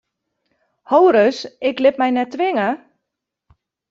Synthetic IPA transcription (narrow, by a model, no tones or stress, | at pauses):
howɾøsɪklɪp̚mɛjnɛtʋɪŋə